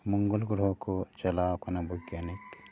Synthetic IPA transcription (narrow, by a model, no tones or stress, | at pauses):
mʊŋɡəlɡɾɦokot͡ʃɐlaːwkɐnabʱʊɡjaːnik